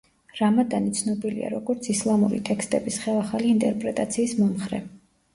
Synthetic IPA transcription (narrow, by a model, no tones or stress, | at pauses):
ɾamad̪anit̪sʰnɔbilḭa̰ɾɔɡɔɾt̪sʰislˠamṵɾḭt̪ʼɛkst̪ʼɛbisχɛlˠaχaliːnt̪ʼɛɾpʼɾɛt̪ʼat̪sʰiːsmɔmχɾɛ̰